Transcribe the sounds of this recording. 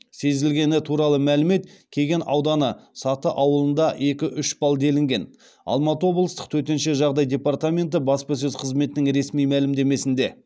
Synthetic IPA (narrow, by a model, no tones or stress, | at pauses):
se̞zɪlɡʲe̞nɪt̪ʰuɾɑlˠəmælɪme̞t̪kʲʰe̞ɡʲenɑ̰wd̪ɑnəsɑt̪əʔɑwəlˠənd̪ɑe̞kʲɪʔʏʃbɑlˠd̪e̞lɪŋɡʲe̞n | ɑ̰lˠmɑt̪əwo̞blˠəst̪ə̥q̚t̪ʰɵɾt̪e̞nʃeʒɑʁd̪ɑjd̪ʲe̞part̪amʲe̞nt̪̬ɪbɑspɑs̬ɵzqʰəzme̞t̪ɪnɪŋɾe̞smijmælɪmd̪e̞me̞sɪnd̪e̞